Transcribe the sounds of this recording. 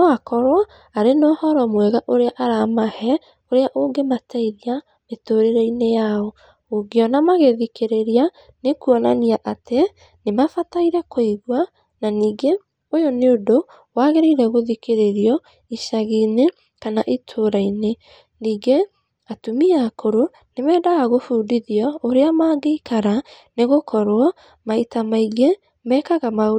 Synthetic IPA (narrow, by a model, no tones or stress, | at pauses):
ɔakɔɾwa | aɾenɔːhɔɾɔmwɛɣaʔoɾeaʔaɾamahɛ | oɾeaʔoːɡemataiɾia | metoɾeɾɛinejaɔ | oɡeɔnamaɣeðikeɾeɾia | nekuɔnaniaʔate | nemafataiɾɛkoiɣwa | naniːɡe | ojɔneodo | waːɣeɾeiɾɛɣoðikeɾeɾjɔ | iʃaɣine | kanaʔitʰoːɾaine | niːɡe | atumiakoɾo | nemɛːdaɣaɣofuːdiðiɔoɾeamaːɡeikaɾa | neɣokʰɔɾoɔ | maitamaiɡe | mɛːkaɣamao